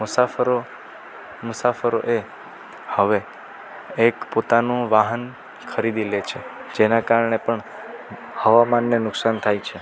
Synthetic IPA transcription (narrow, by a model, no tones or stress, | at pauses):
mʊsafəɾo | mʊsafəɾoʔe | həʋe | ekpot̪anũʋaɦən | kʰəɾid̪ilet͡ʃʰed͡ʒenakaɾɳepəɳ | həʋamanːenʊksant̪ʰajt͡ʃʰe